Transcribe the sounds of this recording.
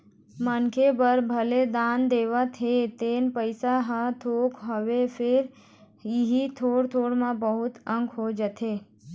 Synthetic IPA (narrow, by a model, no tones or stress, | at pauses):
mənkʰebəɾbʱəled̪aːnd̪eːʋət̪ɦet̪eːnpəɪsaɦat̪ʰoːkɦoʋepʰɪɾ | ɪɦit̪ʰoːɽt̪ʰoːɽmãbəɦʊt̪ə̃ŋɡɦod͡ʒət̪ʰeː